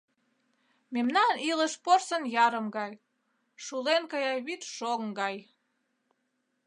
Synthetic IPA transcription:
memnɑniləʃporsənjɑɾəmɡɑj | ʃulenkɑjɑjβit̪ʃoŋɡɑj

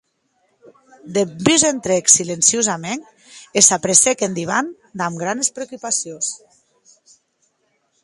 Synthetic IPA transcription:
d̪ebyzent̪ɾeksilensiozameŋ | esapɾesekend̪iβ̞an | d̪amɡɾanespɾeokupasjons

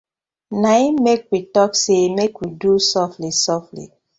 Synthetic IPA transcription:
naimek̚witɔksemekwidusɔflisɔflḭ

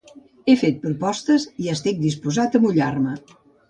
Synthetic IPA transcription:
efet̪̚pɾupɔst̪əziəst̪ik̚d̪ispuzat̪əmuʎarmə

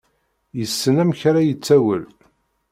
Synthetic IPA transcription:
jəsːənæmçɾajət͡sːæwəl

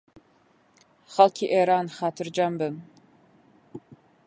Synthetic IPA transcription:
χɐlkʰʲiːʔeːɾaːnχaːtʰɨrd͡ʒambɨm

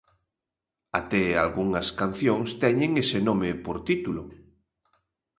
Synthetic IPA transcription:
a̰t̪ɛa̰lɣuŋɐskan̟θjõŋst̪ɛɲẽŋesenomepoɾt̪it̪ulʊ

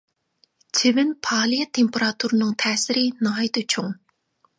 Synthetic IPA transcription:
t͡ɕʰɪvɪnpʰɑːlijat̪ʰempʰeɾat̪ʰuɾnɨŋt̪ʰɛːsɪɾinɑɦjt̪ɨt͡ɕʰʊŋ

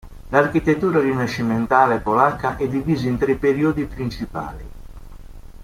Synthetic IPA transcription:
larkit̪et̪ːuːɾarinaʃiment̪aːleɛpːolakːaʔɛd̪ːiviːzaint̪ɾepːeɾiːod̪ipɾint͡ʃipa̰ːli

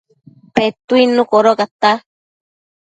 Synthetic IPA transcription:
pet̪uinũkoɾokat̪a

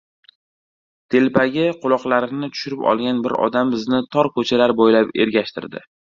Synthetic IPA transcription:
t̪ʰe̞lpʰaɡʲɪqʰʊlˠɒqlˠaɾɪnɪt̪ʰʊ̥ʃʊɾɪpɒ̰lˠɡʲanbɪɾɒ̰d̪ambɪznɪt̪ʰɒɾkʰɵt͡ʃʰalaɾbojlape̞̰ɾɡʲaʃt̪ʰɪ̰ɾd̪ɪ̰

